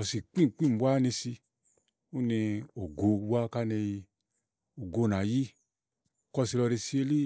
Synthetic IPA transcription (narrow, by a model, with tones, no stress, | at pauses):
ɔ˧˨si˨k͡pĩ˦˨k͡pi˦˨bwa˦ni˧si˧ | u˦ni˧o˨ɡo˧˦wa˦ka˦ne˧ji˧ | o˨ɡo˧˨na˨ji˦˨ | kɔ˧˨si˧lɔ˧ɾe˧si˧e˧˦li˦